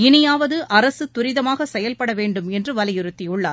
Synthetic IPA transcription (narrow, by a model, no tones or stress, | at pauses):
ɪnɪjaːʋɐðɯʔɐɾɐsɯt̪ʊɾɪðɐmaːɣɐsɛjɐlpɐɽɐʋeːɳɖɯmɛndrɯʋɐlɐjɪɾɯt̪ːɪjʊɭːa̰ː